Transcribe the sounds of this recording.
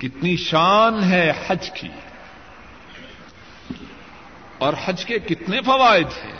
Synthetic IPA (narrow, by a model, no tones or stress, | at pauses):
kɪt̪niʃaːnɦɛhɐd͡ʒkʰḭː | ɔːɾhɐd͡ʒkekɪt̪nefɐʋaːɪd̪ɦɛ̰ː